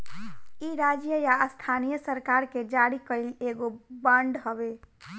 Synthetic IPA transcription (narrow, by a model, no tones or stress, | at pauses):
iɾad͡ʒjəjaəst̪ʰanijəsəɾkaɾked͡ʒaɾikəileɡobəɳɖɦəbe